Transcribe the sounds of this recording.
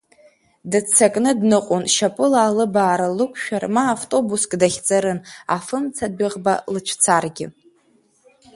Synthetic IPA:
dɨt͡sʰːakʼnɨdnɨqʼʊnʃapʼɨlaːlɨbaːɾalɨkʷʰʃᶣarmaːvtʼo̞buskʼdaχʲt͡sʼaɾɨna̰fɨmt͡sʰadʷɪʁba̰lɨt͡ʃʷʰt͡sʰarɡʲɪ̰

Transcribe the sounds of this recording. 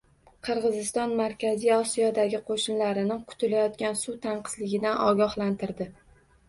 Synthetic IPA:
qʰɨɾʁɨzɪst̪ɒnmaɾkʲazijɒsijɒd̪aɡʲɪqʰoʃɪnlaɾɪnɪqʰʊ̥t̪ʰɪlajɒt̪̚kʲansut̪ʰaɴqʰɨ̥zlɪɡʲɪd̪anʔɒ̰ɡʲɒhlant̪ʰɪɾd̪ɪ

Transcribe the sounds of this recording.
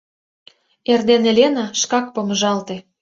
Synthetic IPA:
erd̪enelʲenɑʃkɑk̚pomə̆ʒɑlt̪e

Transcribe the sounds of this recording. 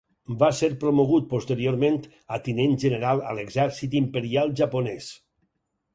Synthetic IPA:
baseɾpɾomoɣ̞ut̪̚post̪eɾioɾment̪ | at̪inenʒəneɾalˠə̰leɡzɛɾsit̪impeɾialˠʒaponɛs

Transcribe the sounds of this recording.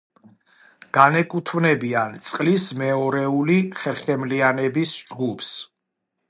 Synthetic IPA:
ɡ̥anɛkʼut̪ʰvnɛbiant̪sʼqʼlismɛɔɾɛuliχɛɾχɛmlianɛbisd͡ʒɡupʰs

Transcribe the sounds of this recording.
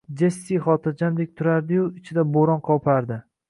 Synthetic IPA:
d͡ʒesːijχɒt̪ʰɪɾd͡ʒamd̪ek̚ʲt̪ʰʊɾaɾd̪ɪjʊɪt͡ʃʰɪd̪aboɾɒnqʰɒwpʰaɾd̪ɪ

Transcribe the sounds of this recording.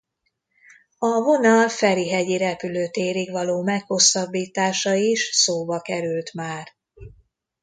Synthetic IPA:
ɒvo̞nɒlfɛɾiɦɛɟiɾɛpyløːt̪eːɾiɡʋɒloːmɛkho̞sːɒbːiːt̪aːʃɒiʃsoːbɒkɛɾylt̪maːr

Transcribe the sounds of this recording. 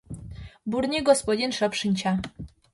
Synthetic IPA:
buɾɲɛɡɔspɔd͡ʑinʂɔpʂɨɲʲt͡ɕa

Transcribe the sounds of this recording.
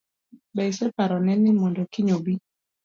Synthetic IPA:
bɛɪsɛpaɾɔnɛnɪmɔndɔkɪɲobi

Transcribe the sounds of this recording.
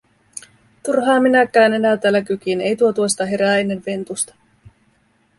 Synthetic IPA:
t̪urɦɑːminækːˑæːne̞næt̪æːlːækyk̟ine̞jt̪uo̞t̪uost̪ɑɦe̞ɾæːe̞nːe̞ʋʋe̞nt̪ust̪ɑ̥

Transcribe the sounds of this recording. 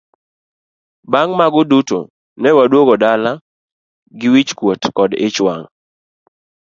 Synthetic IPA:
baŋmaɡʊduto̰ | nɛwadwoɡɔdala | ɡɪwit͡ʃkwotkɔdɪ̰t͡ʃwaŋ

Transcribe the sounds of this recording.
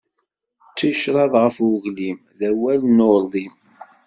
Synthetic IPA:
t͡sːiʃɾˤɑðʁəfʊʝlim | ðæwælnolˤim

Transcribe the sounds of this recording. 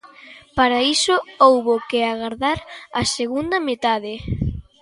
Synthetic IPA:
paɾaisʊowβokeaɣaɾðaɾaseɣund̪ɐmet̪aðɪ

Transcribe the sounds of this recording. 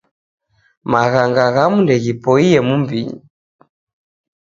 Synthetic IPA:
maɣaŋɡaɣamundɛɣipɔijɛmumbiɲḭ

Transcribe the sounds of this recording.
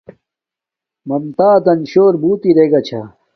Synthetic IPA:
mɐmt̪aːd̪ɐnɕoːɾbuːt̪iɾeːɡɐt͡ɕʰa̰

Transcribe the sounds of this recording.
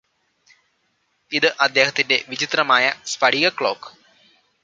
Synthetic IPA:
iðɨʔɐd̪ːe̞ːhɐt̪ːinde̞ʋid͡ʑit̪rɐmaːjɐspɐɽiɣɐkɭo̞̰ːk

